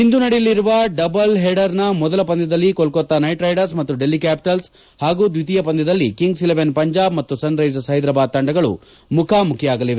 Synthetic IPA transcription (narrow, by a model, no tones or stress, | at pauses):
ind̪unɐɽilːiɾuʋɐɖɐbɐlɦeːɖɐɾnɐmɔd̪ɐlɐpɐnd̪ɛd̪ɐlːikolkot̪ːɐnɐjʈɾɐjɖɐɾs̬mɐt̪ːuɖelːikæːpi̥ʈɐls | haːɡuːd̪ʋit̪ijɐpɐnd̪ɛd̪ɐlːikiŋɡsileʋenpɐɲd͡ʒaːb̚mɐt̪ːusɐnɾɐjs̬ɐsɐɦjd̪ɾɐbaːd̪̚t̪ɐɳɖɐɡɐɭṵ | mukʰaːmukʰjɐaːɡɐliʋe